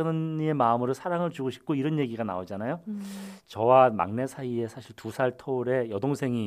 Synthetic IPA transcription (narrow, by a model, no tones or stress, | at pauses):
nɯnie̞maɯmɯɾɯsʰaɾaŋɯɭt͡ɕuɡoɕʰi̥p̚k͈oiɾʌnje̞ɡiɡana̰od͡ʑanajot͡ɕʌwama̰ŋne̞sʰaie̞sʰaɕʰiɭtusʰaɭtʰʌuɾe̞jʌdoŋsʰe̞ŋi